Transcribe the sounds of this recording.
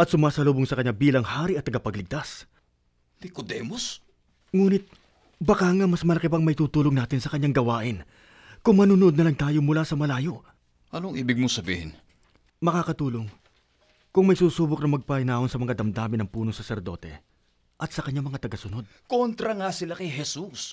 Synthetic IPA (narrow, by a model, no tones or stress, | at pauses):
ʔɐt̪̚sʊmaːsɐloːboŋsɐkɐɲabiːlɐŋhaːɾiʔɐt̪ːɐɡɐpɐɡlɪɡ̚t̪as | lɪkod̪ɛːmos | ŋuːnɪt̪̚ | bɐkaŋamɐsmɐlɐkɪpɐŋmɐɪt̪uːt̪uːloŋnaːt̪ɪnsɐkɐɲːaŋɡɐwaːʔɪn | kʊŋmɐnuːnoʔd̪̚nɐlaŋt̪aːjo̞mʊlaːsɐmɐlaːjo̞ | ʔɐnoŋʔiːbɪɡ̚mosɐbḭːhɪn | mɐkaːkɐt̪uːlo̞ŋ | kʊŋmɐjsuːsuːbok̚nɐmɐɡ̚paɪnaːʔo̞nsɐmɐŋad̪ɐmd̪aːmɪnɐŋpuːnoŋsɐsɛɾd̪o̞̰t̪ɛ̰ | ʔɐt̪̚sɐkɐɲamɐŋat̪ɐɡɐsʊno̞d̪̚kont̪ɾɐŋasɪlakɐjɦɛsus